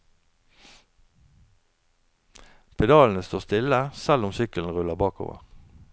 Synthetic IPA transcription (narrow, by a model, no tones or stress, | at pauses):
pʰɛd̪ɑːln̩əst̪oːst̪ɪləsɛlʊmsʏkəln̩ʁʉləʁbɑːko̰ːʋə̰ʁ